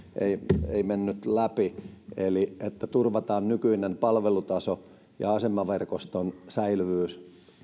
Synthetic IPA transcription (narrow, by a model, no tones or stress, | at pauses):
ʔeieimenːyt̪læpieliet̪ːæt̪urʋɑt̪ɑːnnykyinempɑlʋelut̪ɑso | jɑ̰ɑsemːɑʋerkost̪onsæilʋyːs